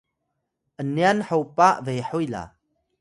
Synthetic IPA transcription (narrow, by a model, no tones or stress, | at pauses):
ʔənianħawpaʔvejħujla̰